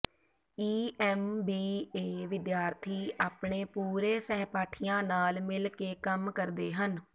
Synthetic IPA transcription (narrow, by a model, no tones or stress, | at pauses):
iːɛːmbiːeːʋɪd̪jaːɾt̪ʰiːaːpɳeːpuːɾeːsɛːpaːʈʰɪjãːnaːlmɪlkeːkəmkəɾd̪eːɦən